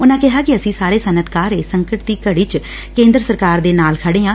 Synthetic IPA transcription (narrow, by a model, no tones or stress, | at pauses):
ʊnãːkɪɦaːkɪəsĩːsaːɾeːsənət̪kaːɾeːsəŋkəʈd̪iːkəɽiːt͡ʃ | kẽːnd̪ɾəsəɾkaːɾd̪eːnaːlkʰəɽeːãː